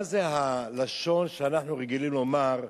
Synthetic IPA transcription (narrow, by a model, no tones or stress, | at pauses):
zeɦalaʃo̞nʃeanaħnuʁeɡilimlo̞maʁ